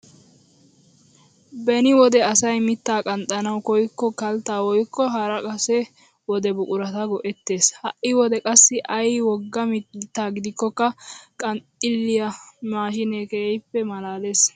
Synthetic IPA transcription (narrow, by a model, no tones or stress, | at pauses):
bɛnɪwɔd̪ɛɐsɐjmɪt̪ːaːkʼɐnt̪ʼɐnɐwkɔjkːɔkɐlt̪ːaːwɔjkːɔɦɐɾɐkʼɐsɛ | wɔd̪ɛbʊkʼʊɾɐt̪ɐɡɔʔɛt̪ːe̞ːshɐʔɪwɔd̪ɛkʼɐsːɪʔɐjwɔɡːɐmt̪ːaːɡɪd̪ɪkːɔkːɐkʼɐnt̪ʼːɪlːɪjɐmaːʃɪneːkeɛjpːɛmɐlaːle̞ːs